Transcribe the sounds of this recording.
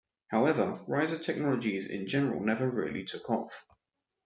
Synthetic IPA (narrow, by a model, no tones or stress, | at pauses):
haʊɛvəɹaɪzətʰɛk̚nɒləd͡ʒizɪ̰̃nd͡ʒɛnəɹə̰lˠnɛvəɹɪəlḭtʰʊkʰɒ̰f